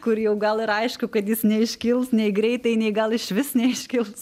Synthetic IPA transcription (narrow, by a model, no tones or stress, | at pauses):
kʊɾjɛʊɡɐlˠɪɾɐɪʃkʊkɐt̪jɪsnʲɛɪʃʲkʲɪlˠsnʲɛɪɡɾʲɛɪt̪ɐɪnʲɛɪɡɐlˠɪʃʲʋʲɪsnʲɛɪʃʲkʲɪlˠs